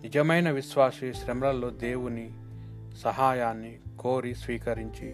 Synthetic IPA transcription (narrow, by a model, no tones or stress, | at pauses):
nid͡ʒɐmɐjnɐʋiʃʋaːsiʃɾɐmɾɐlːo̞ːd̪eːwuni | sɐɦaːjaːnːikoːɾisʋiːkɐɾiɲt͡ʃi